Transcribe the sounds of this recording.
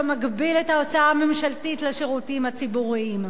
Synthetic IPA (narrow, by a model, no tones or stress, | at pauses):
maɡbiletao̞t͡saaːme̞mʃaltitlaʃeʁutimhat͡sibuʁiim